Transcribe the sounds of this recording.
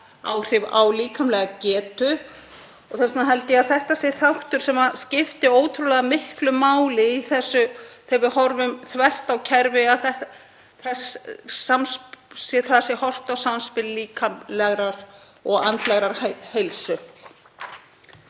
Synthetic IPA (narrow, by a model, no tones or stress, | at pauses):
a̰ːwr̥ɪva̰wliːkʰamlɛɣacɛːt̪ʏ | ɔɣθɛsnaɦɛlt̪ɪaðθɛht̪asɛ̥θawht̪ʏɾ̥sɛmascɪft̪ɪoːwt̪ʰɾulɛːɣðamɪhklʏmaːwlɪiθɛsːʏθɛvɪhɔɾvʏmθvɛr̥t̪awcʰɛɾvɪaθɛ | θɛsːamssɛθaðasɪɛhɔr̥t̪awsamspɪlliːkʰamlɛɣɾaɾ̥ | ɔɣant̪lɛɣɾaɾ̥hhejlsʏ